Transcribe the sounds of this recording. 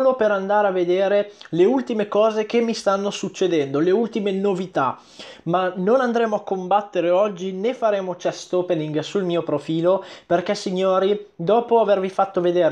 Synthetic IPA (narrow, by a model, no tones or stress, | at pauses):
lopeɾand̪aːɾeavːed̪eːɾeleult̪imekɔːzekemːist̪anːosut͡ʃːed̪ɛnd̪oleult̪imenovit̪a̰ | manonand̪ɾeːmoakːombat̪ːeɾeɔd͡ʒːinefaɾeːmot͡ʃɛst̪oːpeniŋɡsulmiːopɾofiːloperkɛsiɲːoːɾid̪ɔːpoavervifat̪ːoved̪eːɾ